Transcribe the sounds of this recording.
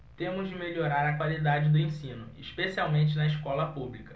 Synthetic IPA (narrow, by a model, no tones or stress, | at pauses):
t̪ẽmʊzd͡ʒɪmeʎoɾaɾɐkwalid̪ad͡ʒɪd̪ʊẽsĩnʊɪʃpesiawmẽnt͡ʃɪnɐiʃkɔlɐpublikɐ̥